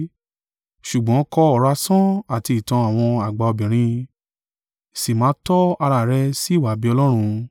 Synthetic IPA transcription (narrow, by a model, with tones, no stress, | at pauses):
ʃu˨ɡ͡bɔ̃˨˦kɔ˧ɔ˨ɾa˧sɔ̃˦a˨ti˧i˨tã˧a˨w̃ɔ̃˧a˨ɡ͡ba˧o˧bĩ˨ɾ̃ĩ˧ | si˨mãː˨˦tɔ˦a˧ɾa˨ɾɛ˧si˦˨wa˨˦˨bi˨˦ɔ˧lɔ˦ɾ̃ũ˧